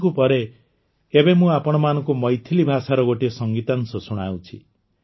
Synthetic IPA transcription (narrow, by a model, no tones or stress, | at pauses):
kupʌɾe | ebemũapɔɽ̃ɔmanɔkomʌjt̪ʰilibʱasaɾɔɡoʈesʌŋɡit̪ansɔsuɽ̃awt͡ʃʰḭ